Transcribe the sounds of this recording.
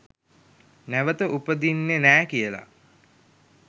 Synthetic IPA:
næʋət̪əʔupəd̪inːenæːkijəla̰

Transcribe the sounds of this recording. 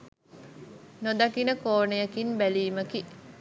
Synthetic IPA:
nod̪ɐkinəkoːnejɐkinbæliːməki

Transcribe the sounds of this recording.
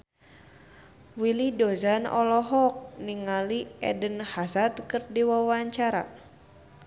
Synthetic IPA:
wilidozanɔ̰lɔɦɔk̚niŋaliɛ̰dənhasat̪kərdiwawaɲt͡ʃaɾa̰

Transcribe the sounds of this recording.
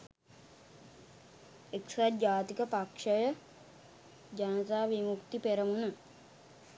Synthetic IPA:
eksad͡ʒaːt̪ikəpakʂəjə | d͡ʒanət̪aːʋimukt̪ipeɾəmunə

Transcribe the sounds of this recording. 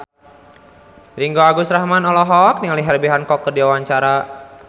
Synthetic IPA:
riŋɡoaɡusɾahmanɔlɔɦɔk̚niŋaliɦɛrbiɦankɔkːərdiwawaɲt͡ʃaɾa

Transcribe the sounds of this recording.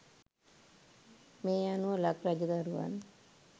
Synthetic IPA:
meːanuʋəlakɾad͡ʒəd̪aɾuʋa̰n

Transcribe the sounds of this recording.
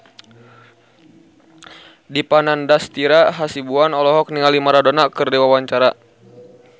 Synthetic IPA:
dipanandast̪iɾaɦasibuanɔlɔɦɔk̚niŋalimaɾadonakɨrdiwawaɲt͡ʃaɾa

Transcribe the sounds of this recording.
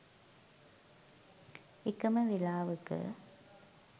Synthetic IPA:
ɪkːɐmɐʋilaːʋɯkːɯ̰

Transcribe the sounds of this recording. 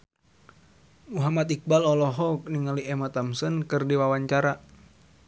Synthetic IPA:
uɦamat̪ik̚balɔlɔɦɔk̚niŋaliɛmat̪amsənkɨrdiwawaɲt͡ʃaɾa

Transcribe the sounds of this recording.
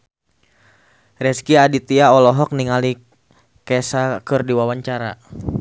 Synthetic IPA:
rɛskiadit̪iaɔlɔɦɔk̚niŋali | kɛsakɨrdiwawaɲt͡ʃaɾa

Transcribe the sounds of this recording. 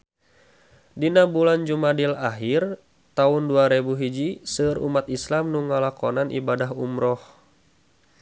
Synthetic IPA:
dinabuland͡ʒumadilaɦir | t̪aunduaɾɛbuɦid͡ʒisɨrṵmat̪islamnuŋalakɔnanʔḭbadaɦumɾɔh

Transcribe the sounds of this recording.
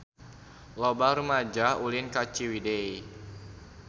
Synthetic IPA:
lobaɾəmad͡ʒaulinkat͡ʃiwidej

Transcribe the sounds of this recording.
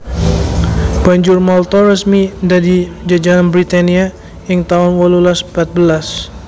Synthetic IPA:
b̥aɲd͡ʒʊrmɔlt̪ɔrəsmidadid͡ʒad͡ʒaɦanbɾit̪ania | əŋt̪aɦʊnwɔlulaspat̪̚bəlas

